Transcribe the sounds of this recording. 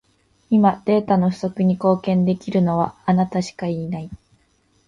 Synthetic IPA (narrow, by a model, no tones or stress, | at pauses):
imad̪̥e̞ːt̪ano̞ɸɯ̟so̞kɯ̟ɲ̟iko̞ːkẽ̞nd̪e̞kʲiɾɯ̟no̞β̞aːnat̪aɕi̥kaiːnai